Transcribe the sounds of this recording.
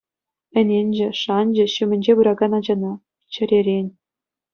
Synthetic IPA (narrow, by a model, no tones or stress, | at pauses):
ɘ̆nʲenʲd͡ʑɘ̆ʂɑnʲd͡ʑɘ̆ɕymʲɘ̆nʲd͡ʑeβɯɾɑɡɑnɑd͡ʑɑnɑ | t͡ɕɘ̆ɾʲeɾʲenʲ